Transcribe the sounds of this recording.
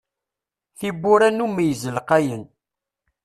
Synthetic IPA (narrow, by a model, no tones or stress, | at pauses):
θibːʊɾænumæjəzəlqæjən